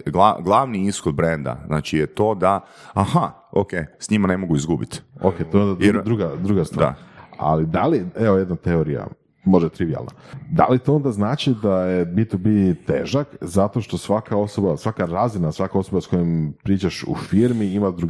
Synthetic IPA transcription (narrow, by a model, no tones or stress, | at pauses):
ɡlˠa̰ɡlˠaʋniisxod̪̚bɾend̪a̰zna̰ːt͡ʃijet̪o̞ːd̪aaha | okeːsɲimane̞mo̞ɡuizɡubit̪o̰ket̪ojeond̪adɾd̪ɾuɡad̪ɾuɡast̪ʋa̰a̰lid̪alieojed̪nat̪eo̞ɾija̰ | mo̞ʒd̪at̪ɾiʋia̰lˠna̰ | d̪a̰lit̪oo̞nd̪aznaːt͡ʃid̪ajebit̪obit̪ḛːʒakzat̪o̞ʃt̪o̞sʋakʰao̞so̞basʋakaɾazinasʋakao̞so̞basko̞jempɾiːt͡ʃaʃṵfiːɾmiimad̪ɾuɡ